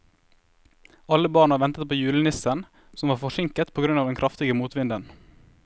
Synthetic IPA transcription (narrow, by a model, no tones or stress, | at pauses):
ɑləbɑːɳɑʋɛnt̪ət̪̚pʰoːjʉːlənɪsən | sɔmʋɑːʁfɔʃɪŋkət̪pʰoːɡɾʉnɑːʋd̪ɛnkʰɾɑft̪ɪɡəmuːt̪ʋɪnd̪ən